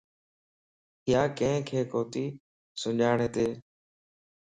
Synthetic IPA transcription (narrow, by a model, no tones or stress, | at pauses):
ɪjaːkẽkʰeːkoːt̪iː | sʊʄaːɳeːt̪eː